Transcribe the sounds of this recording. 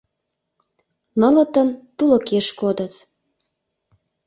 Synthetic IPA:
nɤ̆lə̆t̪ənt̪uləkeʃkod̪ə̆t̪

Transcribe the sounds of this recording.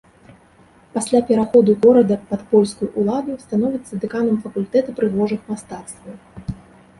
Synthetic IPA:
pasʲlʲapʲɛɾaxɔd̪uɣɔɾɐd̪ɐpɐt̪pɔlʲskujuʔulˠad̪ust̪anɔvʲit̪sːɐd̪ɨkanɐmfɐkulʲt̪ɛt̪ɨpɾɨɣɔʐɨxmast̪at̪st̪vɐw

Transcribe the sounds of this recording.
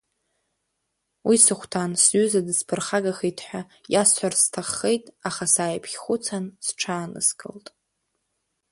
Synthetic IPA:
wʔisɨχʷtʰansɥʏzadɨspʰɨrχaɡaχetʰħʷᶣa | jasħʷarstʰaχːejtʼaχasaːjpʰʲχʷʊt͡sʰansʈ͡ʂʰaːnɨ̰sɡʼɨ̰ltʼ

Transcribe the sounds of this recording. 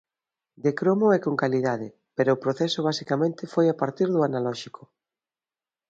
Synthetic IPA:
d̪ekɾomoɛkoŋkaliðaðɪ | peɾoːpɾoθɛsʊβ̞asikamẽnt̪ɪfojapaɾt̪iɾðʊanalɔʃikʰʊ

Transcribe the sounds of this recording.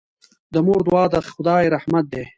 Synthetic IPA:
d̪əmoːɾd̪uwɑːd̪əxʊd̪ɑːeɾɐhmat̪̚d̪eː

